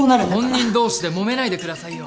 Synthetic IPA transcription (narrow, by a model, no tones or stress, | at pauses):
onaɾɯõ̞ɲ̟ːĩnd̪o̞ːɕid̪e̞mo̞me̞naid̪e̞kɯ̟d̪asaijo